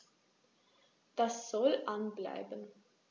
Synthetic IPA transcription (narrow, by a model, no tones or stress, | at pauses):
d̥asz̥ɔlʔanbla̰ɪbən